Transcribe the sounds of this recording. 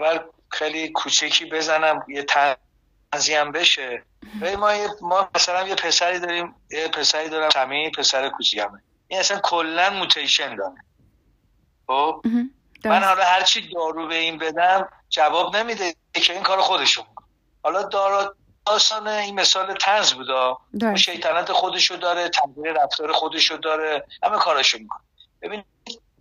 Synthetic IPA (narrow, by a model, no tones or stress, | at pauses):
væɾ | xejlikʰuːt͡ʃʰecʰiːbe̞zænæmjet̪ʰæ | ziæmbe̞ʃe | vælimɒːjemɒːmæsælæmje̞pʰe̞sæɾiːd̪ɒːɾiːm | jepʰe̞sæɾiːd̪ɒːɾæmsæmiːpʰe̞sæɾekʰuːt͡ʃʰicʰæme | ʔinæsænkʰolːænmut̪ʰejʃe̞nd̪ɒːne | xob̥ | mænhɒlɒhæɾt͡ʃʰid̪ɒːɾuːbe̞inbe̞d̪æm | d͡ʒævɒːbne̞mid̪e | cʰe̞iŋkʰɒːɾexod̪e̞ʃomikʰo̥ne | hɒːlɒd̪ɒɾ | ɒːsɒːneinme̞sɒːlet̪ʰænzbuːd̪ɒːunʃe̞jt̪ʰænɒːt̪ʰexo̞d̪e̞ʃod̪ɒːɾet̪ʰæhziːɾeɾæft̪ɒːɾexod̪e̞ʃod̪ɒːɾehæmekʰɒːɾɒːʃomikʰo̥neb̥e̞biːn | d̪